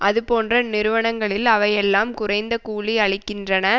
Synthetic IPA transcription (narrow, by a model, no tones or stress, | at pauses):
ʔɐðɯpoːndrɐnɪɾɯʋɐɳɐŋɡɐɭɪlɐʋɐjɛlːaːmkʊrɐɪnd̪ɐkuːɭiɐɭɪkːɪndrɐnɐ